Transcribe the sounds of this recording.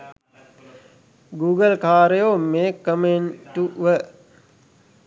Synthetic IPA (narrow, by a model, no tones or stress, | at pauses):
ɡuːɡəlkaːɾejoːmeːkːəmenʈuʋə